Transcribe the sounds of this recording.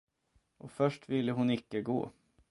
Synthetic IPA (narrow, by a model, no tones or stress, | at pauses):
ʔɔfœʂʈvɪlːəɦʊnɪkːəɡo̰ː